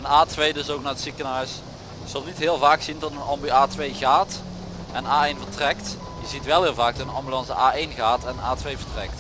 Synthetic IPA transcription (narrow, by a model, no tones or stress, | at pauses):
ɛnaːtʋejdɵsok̚naːɹətsikənɦœɥs | kz̥əlˠnitɦɪːəlˠvaːksindɑtənɑmbiaːtʋejɣaːt | ʔɛnnaːejnvəɹtrɛkt | jəzitʋɛlˠɦɪːlˠvaːk̚dɔtənɑmbylɑnsəʔaːejnɣaːtɛnənaːtʋejvəɹtrɛ̰k̚t